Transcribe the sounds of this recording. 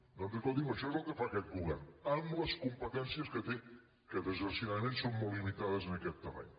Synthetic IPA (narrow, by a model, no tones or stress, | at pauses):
d̪onzəkɔld̪iməʃɔezəlˠkəfakɛt̪̚ɡuβɛ̰rnəmləskumpət̪ɛnsiəskət̪e | kət̪əzəɾsinaðəmẽnsomːolˠlːimit̪aðəzənəkɛt̪ːəβa̰ʎ